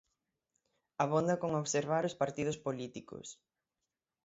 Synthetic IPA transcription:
ɐβond̪ɐkoŋoβseɾβaɾʊspaɾt̪ið̞ʊspolit̪ikʊ̰s

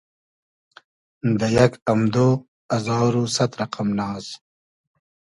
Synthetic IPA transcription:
d̪ɐjakɐmd̪o | ɐzɑːɾusat̪ɾɐqʰamlɑːz

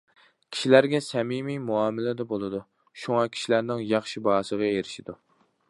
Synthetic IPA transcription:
kʲʰi̥ʃilæɾɡʲɛsɛmimimuɑːmɪlɪd̪ɛbolˠɨd̪u | ʃuŋɑkʲʰi̥ʃilæɾnɪŋjɑχʃibɑɦɑsəʁɑeɾɪʃid̪u

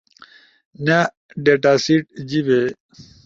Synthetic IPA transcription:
na | ɖeʈasiʈ̚d͡ʑiβe

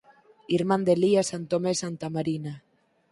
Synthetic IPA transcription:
iɾmand̪eliasant̪omesant̪amaɾina

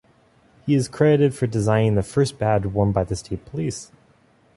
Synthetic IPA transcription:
hiɨz̥kʰɹ̥ɛɾɨɾɨd̥fə˞dɨzãɪ̃nɪ̃ŋðɨfɜ˞sb̥ædwʌ̃nbaɪðɨstʰeɪt̚pʰəlis

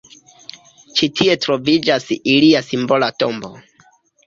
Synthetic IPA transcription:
t͡ʃitʰie̞tɾo̞vid͡ʒasiliasimbo̞lato̞mbo̞̰

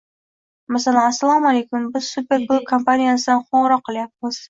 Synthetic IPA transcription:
masalanasːalˠɒmalejkʊmbɪz̥supʲe̞ɾbolˠp̚kʰompanijasɪd̪anqʰoɴɨɾɒqːɨlˠjap̚mɪz̥

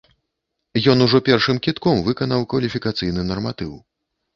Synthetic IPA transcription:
jɔnuʐɔpʲɛrʂɨmkʲit̪kɔmvɨkɐn̪ɐwkvɐlʲifʲikat̪sɨjn̪ɨnɐrmat̪ɨw

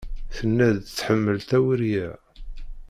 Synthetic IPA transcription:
θənːæðt͡sːħəmːəlt̪æwəɾjæ

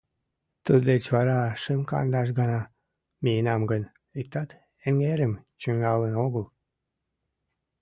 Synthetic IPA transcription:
t̪ud̪let͡ɕβɑɾɑʃəmkɑ̰nd̪ɑʃ̬ɡɑnɑ | mijənɑmɡən | ik̚t̪ɑt̪ | eŋɡeɾəmt͡ɕyŋɑlənoɣəl

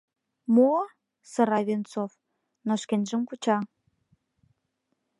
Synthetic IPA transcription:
mo | sɤ̆ɾɑβʲent͡sof | noʃkenʲʒə̆mkut͡ɕɑ

